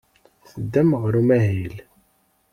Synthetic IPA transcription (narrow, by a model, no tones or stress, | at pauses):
θəd̪ːæmʁɾumæɦil